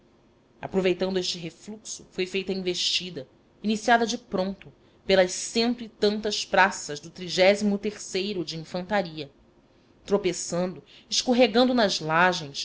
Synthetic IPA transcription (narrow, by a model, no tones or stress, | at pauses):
a̰pɾovejt̪ɐ̃nd̪ʊeʃt͡ʃɪɦefluksʊ̰fojfejt̪ɐĩveʃt͡ʃid̪ɐ | inisiad̪ɐd͡ʒɪpɾõnt̪ʊ | pelɐʃsẽnt̪ʊɪt̪ɐ̃nt̪ɐʃpɾasɐzd̪ʊt̪ɾiʒɛzimʊt̪eχsejɾʊd͡ʒɪĩfɐ̃nt̪aɾiɐ | t̪ɾopesɐ̃nd̪ʊ | ɪʃkoɦeɡɐ̃nd̪ʊnɐzlaʒẽj̃s